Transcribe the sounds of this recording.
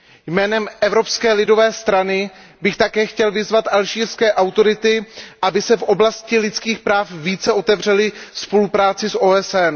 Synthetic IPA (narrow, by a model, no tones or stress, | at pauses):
jmɛːnɛmʔɛvɾo̞pskɛːlɪdo̞vɛːst̪ɾanɪbɪxt̪akɛːxcɛlvɪzvat̪ʔalʒiːɾskɛːʔawt̪o̞ɾɪt̪ɪʔabɪsɛfʔo̞blascɪlɪt͡skiːxpɾaːfviːt͡sɛʔo̞t̪ɛvr̝ɛlɪspo̞lupɾaːt͡sɪsʔoːɛsɛn